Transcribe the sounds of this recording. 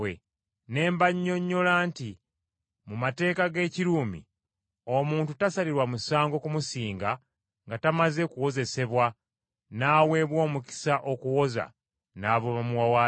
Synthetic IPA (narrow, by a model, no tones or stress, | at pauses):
ḛ | ne̞ːmbaɲːo̞ɲːo̞laːnti | mumate̞ːkaɡe̞ːciɾuːmḭ | o̞muːntutasaliɾwamusaːŋɡo̞kumusiːŋɡa | ŋɡatamaze̞kuwo̞ze̞se̞βwa | naːwe̞βwo̞ːmuki̥saʔo̞kuwo̞za̰ | naːβoβamuwawa